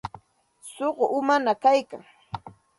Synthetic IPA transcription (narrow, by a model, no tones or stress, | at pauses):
soɢoʊmanakajka̰ŋ